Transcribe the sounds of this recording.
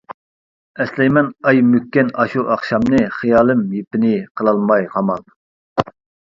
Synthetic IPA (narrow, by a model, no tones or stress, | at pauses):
ɛslɛjmɛnɑjmykʲːɛnɑʃuʔɑχʃɑmnɨχijɑːlˠɨmjepɪnɪqʰəlˠɑlˠmɑjʁɑmɑlˠ